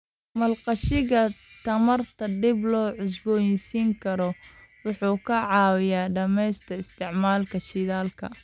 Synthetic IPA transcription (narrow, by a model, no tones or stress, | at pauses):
mɐlqɑʃɪɣɐt̪ʰɐmɐrt̪ʰɐdɪblɔːʕʊs̬bɔːjsiːŋkʰɐɾɔwʊħuːkʰɐʕɑːwɪjaːɖɐmɛjst̪ʰɐɪst̪ʰɪʕmaːlkʰɐʃɪðaːlkʰɐ̰